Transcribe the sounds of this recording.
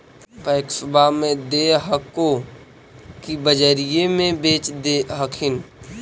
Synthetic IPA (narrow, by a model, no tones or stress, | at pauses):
paɪksʊbʱamẽd̪eːɦəko | kibəd͡ʒəɾijemẽbeːt͡ʃd̪eɦəkʰɪn